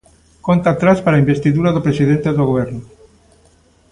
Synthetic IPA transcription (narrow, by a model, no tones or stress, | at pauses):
kont̪at̪ɾaspaɾaimbest̪iðuɾaðopɾesiðent̪eðoɣoβ̞ɛɾnu